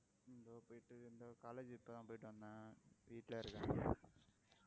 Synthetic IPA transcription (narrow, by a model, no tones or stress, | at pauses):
end̪oːpoːjiʈːɯend̪oːkaːleːd͡ʒɪpːɐd̪ãːpoːjiʈːɯʋɐnːaʋiːʈleɐɾɯkːã